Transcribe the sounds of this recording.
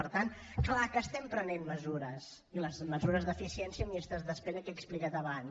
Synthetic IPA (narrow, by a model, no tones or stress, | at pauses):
əɾt̪an | klakəːst̪ɛmpɾənenməzuɾəs | iləzməzuɾəzðəfisiɛnsiəmiəst̪azðəspɛnəkɛksplikat̪əβan